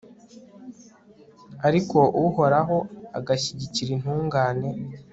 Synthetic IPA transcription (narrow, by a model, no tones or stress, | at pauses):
aɾiko̞ʔuuho̞ɾaɦo̞aɡaçiɟiciɾin̥huːŋɡaːne̞